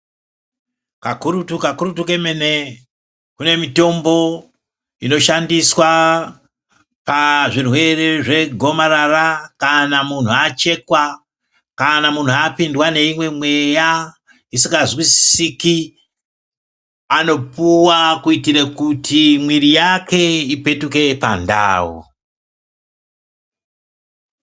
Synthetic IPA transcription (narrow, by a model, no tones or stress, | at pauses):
kakuɾutukakuɾutuke̞mene | kune̞mito̞mbo̞ | ino̞ʃandiswa | paʐirwe̞reʐe̞ɡʱo̞maɾarakanamun̤uat͡ʃe̞kwa | kanamun̤uapindwane̞imwe̞mwe̞ja | isiŋɡazwisiki | ano̞puwakuitiɾekutʰimwiɾijake̞ipe̞tuke̞pa̰nda̰ːwo̰